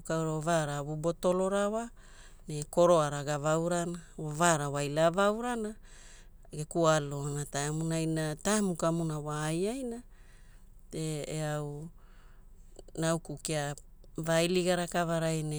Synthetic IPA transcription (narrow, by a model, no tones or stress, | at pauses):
kawɾavaɾaβubo̞to̞lo̞ɾawa | neko̞ɾo̞aɾaɡavawɾanaavaɾawajlavawɾana | ɡekualoanataamunajnatamukamunawaːjajna | teeaw | nawkukia | vajliɡaɾakavaɾajne